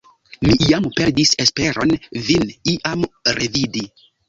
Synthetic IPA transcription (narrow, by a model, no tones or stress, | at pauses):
mijampeɾdise̞spe̞ɾo̞nviniʔamɾevidi